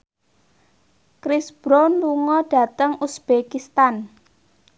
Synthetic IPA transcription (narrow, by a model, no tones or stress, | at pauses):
kɾɪsb̥ɾonluŋɔɖ̥ä̤t̪əŋusb̥ekist̪an